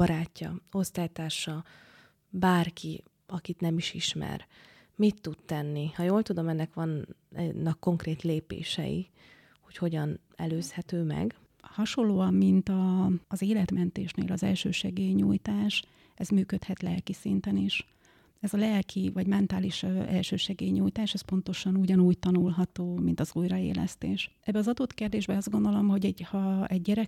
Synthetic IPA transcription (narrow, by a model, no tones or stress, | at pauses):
bɒɾaːcːɒ̰o̞st̪aːjt̪aːʃɒ | baːrki | ɒkit̪nɛmiʃiʃmɛ̰r | mit̪ːut̪t̪ɛnːihɒjoːlt̪ud̪o̞mɛnːɛkʋɒnnːɒkːo̞ŋkreːt̪leːpḛːʃɛ̰jḭ | ho̞cho̞ɟɒn | ɛløːshɛt̪øːmɛ̰ɡ | hɒʃo̞lːoːɒmːint̪ɒːzeːlɛt̪mɛnt̪eːʃnḛːlɒzɛ̰lʃøːʃɛɡeːɲuːjt̪aːʃ | ɛzmyːkøt̪hɛt̪lɛlkisint̪ɛniʃ | ɛzɒlɛlkʰivɒɟmɛnt̪aːliʃøɛ̰lʃøːʃɛɡeːɲuːjt̪aːʃɛspo̞nt̪o̞ʃɒnuɟɒnuːct̪ɒnulɦɒt̪oːmint̪ɒzuːjrɒḛːlɛ̰st̪ḛːʃʔɛbːɛɒzɒd̪oːt̪keːrd̪eːʒbɛɒzd̪ɡo̞nd̪o̞lo̞mho̞ɟɛɟhɒɛɟːɛɾɛ